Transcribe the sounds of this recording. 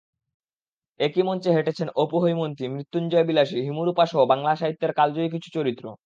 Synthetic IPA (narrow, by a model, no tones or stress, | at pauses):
ekimɔnt͡ɕeɦeʈet͡ɕʰenopoɦojmont̪imɾit̪ːund͡ʑɔebilaʃiɦimuɾupaʃoobaŋlaʃaɦit̪ːeɾkald͡ʑoik̬it͡ɕʰu̥t͡ɕoɾit̪ːɾo̰